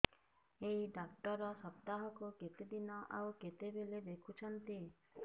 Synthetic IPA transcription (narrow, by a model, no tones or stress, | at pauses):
eiɖak̚ʈɔɾɔsɔp̚t̪aɦɔkoket̪ed̪inaʔa̰wket̪ebeled̪ekʰut͡ʃʰɔnt̪i